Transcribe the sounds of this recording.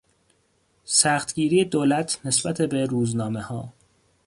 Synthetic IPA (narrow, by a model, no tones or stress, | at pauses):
sæxt̪ɟiːɾiːjed̪oːlæt̪ʰne̞sb̥æt̪ʰebeɾuːznɒːmehɒː